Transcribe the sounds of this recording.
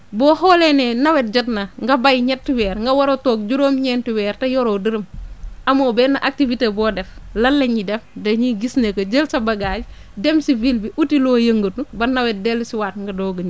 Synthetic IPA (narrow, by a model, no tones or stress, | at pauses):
bɔhɔːlenenɐwet̚d͡ʒɐtnɐŋɡɐbajɲɛtːiwɛːɾŋɡɐwɐɾotoːk̚d͡ʒuɾoːmɲɛntiwɛːɾtɐjoɾodiɾɐmʔɐmoːbɛːnɐʔak̚tivitebɔːdɛflɐlːɐɲidɛfdɐɲiɡisnekɐd͡ʒəlsɐbɐɡad͡ʒ | demsivilbiʔutiloːjɐŋɡotnubɐnɐwɛt̚delsiwaːtŋɡɐdoːɡəɲ